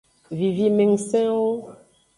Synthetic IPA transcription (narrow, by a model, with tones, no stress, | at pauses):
vi˨vi˦mẽ˨ŋsɛ̃˦wo˦